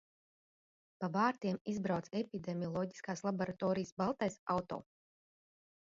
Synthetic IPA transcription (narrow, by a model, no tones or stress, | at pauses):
pavaːɾt̪iɛmizbɾawt̪sepʲid̪emʲiɔlˠɔɟi̥skaːslˠabɔɾat̪ɔːɾijsbalˠt̪ajsawt̪ɔ̰ː